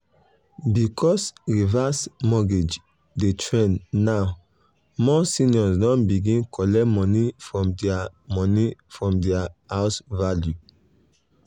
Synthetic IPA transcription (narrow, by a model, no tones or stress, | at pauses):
bikʰɔsɹivasmɔɡed͡ʒ | detʰɹẽnnaʊ | mɔsĩnɔsdɔ̃nbiɡĩnkʰɔlɛmɔ̃nifɹɔ̃mdɛamɔ̃nifɹɔ̃mdɛahaʊsvalju